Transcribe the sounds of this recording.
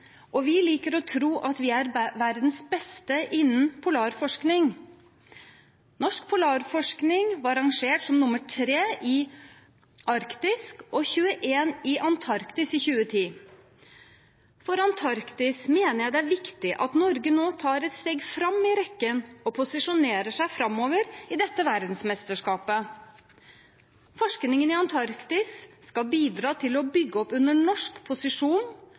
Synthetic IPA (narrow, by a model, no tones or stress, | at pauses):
ʔɔʋɪliːkəɾɔt̪ʰɾuːʔɑt̪ʋɪæɾʋæɾd̪n̩sbɛst̪əʔɪnːənpʰʊlɑːɾfɔʂknɪŋ | nɔʂkpʰʊlɑːɾfɔʂknɪŋʋɑɾɑŋʂeːʈsɔmnʊməʈʰɾeːʔɪ | ʔɑɾkt̪ɪskɔçʉːəʔeːnɪʔɑnt̪ʰɑɾkt̪ɪsɪçʉːət̪ʰiː | fɔɾɑnt̪ʰɑɾkt̪ɪsmeːnəjæɪd̪ɛæɾʋɪkt̪ɪʔɑ̰t̪nɔɾɡənoːt̪ʰɑːɾɛt̪st̪eːɡfɾɑmɪɾɛkːənɔpʰʊsɪʂʊneːɾəʂæɪfɾɑmoːʋəɾɪd̪ɛt̪ːəʋæɾd̪n̩smɛst̪əʂkɑːpə | fɔʂknɪŋənɪɑnt̪ʰɑɾkt̪ɪsːkɑlbiːd̪ɾɑːt̪ʰɪlɔbʏɡːəɔpʉnːəɳɔʂkpʰʊsɪʂuːn